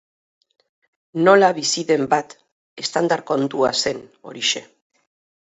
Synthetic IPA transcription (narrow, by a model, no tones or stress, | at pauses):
no̞laβisiðe̞mbat̪ | e̞st̪and̪aɾko̞nt̪uase̞no̞̰ɾiʃe̞